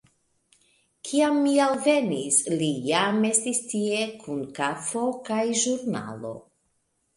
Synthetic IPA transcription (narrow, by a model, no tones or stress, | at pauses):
kʰiamːialve̞nislijame̞stistie̞kʰunkafo̞kajʒuɾna̰lo̞̰